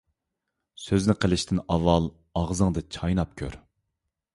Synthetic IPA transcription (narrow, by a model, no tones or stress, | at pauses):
søznɪqʰəlˠɪʃt̪ʰɪnɑvːɑlˠ | ɑʁzɨŋd̪ɨt͡ʃʰɑjnɑp̚kʲʰø̰ɾ